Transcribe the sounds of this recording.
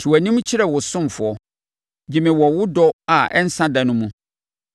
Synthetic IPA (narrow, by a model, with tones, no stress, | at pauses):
tʰu˨wæ˨nĩ˦m˦t͡ɕʰɪ˦ɾɛ˨wʊ˨sʊ̃˦m˨fʊ˨ɔ˨ | d͡ʑi˨mɪ̃˨wɔ˨wʊ˦dɔ˦a˨ɛ̰˦n̩˦sã˦da˨nʊ̃˦mũ˦